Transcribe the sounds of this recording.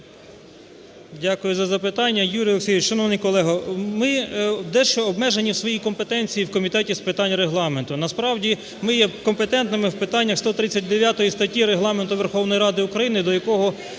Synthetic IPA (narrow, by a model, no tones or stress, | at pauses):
dʲakʊjʊzɐzɐpɪt̪ɑnʲːɐjuɾʲijlˠeksʲijʋɪt͡ʃʃɐnɔʋnɪjkɔlˠɛɦɐmɪd̪ɛʃt͡ʃɔɔbmɛʒenʲiwsʋɔjikɔmpet̪ɛnʲt͡sʲijiwkɔmʲit̪ɛtʲispɪt̪ɑnʲɾeɦlˠɑme̞nt̪ʊnɐspɾɑwdʲi | mɪjɛkɔmpet̪ɛnt̪nɪmɪwpɪt̪ɑnʲːɐxst̪ɔt̪ɾɪt͡sʲːɐtʲd̪eʋʲjat̪ɔjist̪ɐtʲiɾeɦlˠɑment̪ʊʋerxɔwnɔjiɾɑd̪ɪʊkɾɐjinɪd̪ɔjɐkɔɦɔ